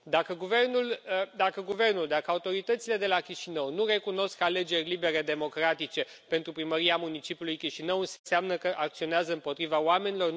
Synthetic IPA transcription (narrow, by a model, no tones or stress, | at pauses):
d̪akəɡuve̞rnuld̪akəɡuve̞rnuld̪akəaut̪o̞ɾit̪ət̪sile̞d̪e̞lakʲiʃinəwnure̞kuno̞skale̞d͡ʒe̞rʲlibe̞ɾe̞d̪e̞mo̞kɾat̪it͡ʃe̞ | pe̞nt̪ɾupɾiməɾiamunit͡ʃipʲjulujkʲiʃinəwɨnsseamnəkəʔak̚t̪sio̞neazəɨmpo̞t̪ɾivaoame̞nilo̞r